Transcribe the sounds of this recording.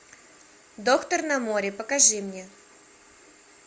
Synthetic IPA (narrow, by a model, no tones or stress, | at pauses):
d̪okt̪ərnamoɾʲɪpəkaʐɨmnʲe